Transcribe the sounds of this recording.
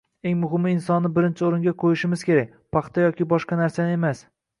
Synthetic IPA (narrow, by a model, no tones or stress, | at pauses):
e̞ŋmʊɦhɪmːɪːnsɒnːɪbɪɾɪnt͡ʃʰɪoɾɪŋɡʲaqʰojɪʃɪmɪz̥kʲe̞ɾak̚ʲpʰɑqt̪ʰajɒkʲɪbɒʃqɑnaɾsanɪe̞mas